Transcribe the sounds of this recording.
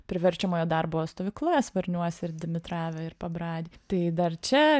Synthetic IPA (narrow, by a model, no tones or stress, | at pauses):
pʲɾʲɪʋʲɛɾʲt͡ʃʲɛmoːjoːd̪ɐrboːost̪oːʋʲiːklˠoɛsʋɐɾʲnʲuɔsʲɪɾd̪ʲɪmʲɪt̪ɾɑːʋʲɛɪɾpɐbɾɑːd̪ʲiːt̪ɐɪd̪ɐrt͡ʃʲɛ